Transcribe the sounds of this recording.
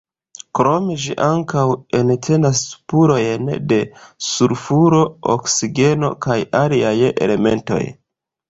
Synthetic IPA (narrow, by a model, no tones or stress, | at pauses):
kɾo̞me̞ʒḭʔaŋkawe̞ntʰe̞naspuɾo̞jnde̞suɾfuɾo̞o̰ksiɡe̞no̞̰kajaliaje̞̰le̞me̞nto̞̰j